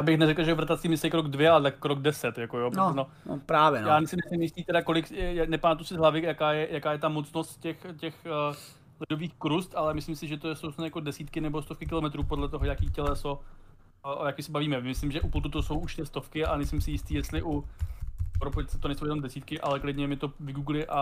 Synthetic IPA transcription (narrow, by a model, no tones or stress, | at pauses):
jaːbɪxnɛɾɛkl̩ʒɛvɾat̪at̪sɪmɪsɪkɾoɡdvjɛalɛt̪akːɾoɡdɛsɛt̪jakojobɛno | pɾaːvjɛ̰jaːnɛjsɪmɪsɪmjɪst̪iːt̪ɛdɾakolɪkjanɛpaːt̪usɪzɦlavɪjakaːjɛjakaːjɛt̪amot͡snost̪cɛxcɛx | lɪdo̞viːxkɾust̪ʔalɛmɪslɪmsɪʒɛt̪ojɛsowsnjakodɛsiːt̪kɪnɛbo̞st̪o̞fkɪkɪlo̞mɛt̪ɾuːpo̞dlɛt̪o̞ɦojakiːcɛlɛso | ʔojakimsɛbaviːmɛmɪslɪmʒɛʔuplt̪ut̪oso̞wʔuʃt̪ɪst̪o̞fkɪanɛjslɪmsɪjɪst̪iːjɛst̪lɪʔu | pɾopojt͡sɛ̥t̪onɛjsowjɛno̞mdɛsiːt̪kɪʔalɛklɪdɲɛmɪt̪o̞vɪɡuːɡlɪʔa